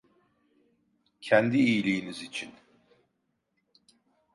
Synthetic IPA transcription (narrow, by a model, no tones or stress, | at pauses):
cʰɛnd̪iijlʲijːnizit͡ʃʰin